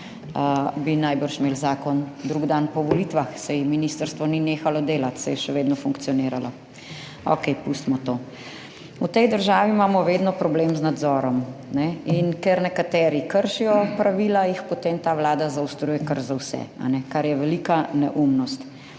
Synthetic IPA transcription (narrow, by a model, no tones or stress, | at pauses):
əbinajbəɾʃmeːlzaːkɔnd̪ɾuɡd̪anpɔʋɔliːt̪ʋaxsɛjminist̪əɾst̪ʋɔnineːxalɔd̪eːlat̪sɛjɛʃɛʋeːd̪nɔfuŋk̪sijɔneːɾalɔ | ɔ̰kɛjpust̪mɔt̪oː | ut̪ɛjd̪əɾʒaːʋimaːmɔʋeːd̪nɔpɾɔbleːmznad̪zɔːɾɔmnɛinkɛɾnɛkat̪ɛːɾikəɾʃijɔpɾaʋiːlajixpot̪eːmt̪aːʋlaːd̪azawst̪ɾuːjɛkəɾzawsɛ̰a̰nɛkaɾjɛʋɛlikanɛ̰ʔumnɔst̪